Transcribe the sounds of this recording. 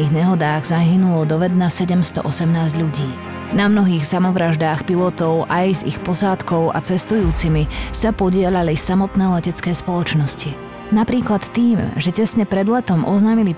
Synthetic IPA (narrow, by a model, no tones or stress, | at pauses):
iːɣɲɛɦɔd̪aːɣzaɦinulɔd̪ɔʋɛd̪nasɛɟɛmst̪ɔ̰ʔɔsɛmnaːzɟʎuɟiː | namnɔɦiːxsamɔʋɾaʒd̪aːxpilɔt̪ɔʊʔajzḭxpɔsaːt̪kɔʊa̰t͡sɛst̪ujuːt͡simisapɔɟɪɛʎalisamɔt̪nɛːlɛcɛt͡skɛːspɔlɔt͡ʃnɔsci | napɾiːklat̪ːiːmʒɛcɛsɲɛpɾɛd̪lɛt̪ɔmʔɔznaːmili